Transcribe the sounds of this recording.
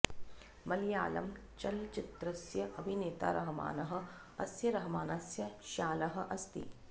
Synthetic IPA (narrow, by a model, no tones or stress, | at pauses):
mɐlja̰ːlɐ̰m | t͡ʃɐlt͡ʃɪt̪ɾɐsjɐʔɐbʱineːt̪a̰ːɾʔɐɦɐma̰ːnɐɦɐ̆ | ɐ̰sjɐɾɐɦɐmaːnɐsjɐʃaːlɐɦɐ̆ʔɐst̪ḭ